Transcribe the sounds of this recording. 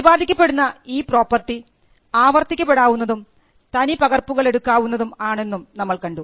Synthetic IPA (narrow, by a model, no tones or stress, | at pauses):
iʋaːd̪ʱikʲːɐpːe̞ɽunːɐiːpro̞ːpːɐrʈːi | aːʋɐrt̪ikʲːɐpːe̞ɽaːʋunːɐðum | t̪ɐnipɐɣɐrpːuɣɐɭe̞ɽukːaːʋunːɐðumaːɳe̞nːumnɐmːɐɭkɐɳɖu